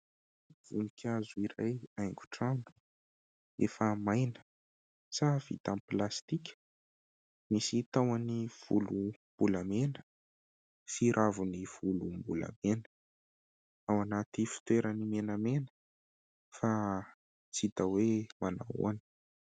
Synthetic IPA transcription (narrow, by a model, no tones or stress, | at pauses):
v̥unikʲʰazuiɾajajŋɡu̥ʈ͡ʂadu̥ | efəmajnə̥ | sav̥ḭt̪amplast̪ikʲə̥ | misit̪awaniv̥ulumb̥ulamenə̥ | fiɾʔavuniv̥ulumbula̰menə̥ | awanat̪ifi̥t̪weɾənimenamenə̥ | fa | t͡sit̪awemana̰ṵanə̥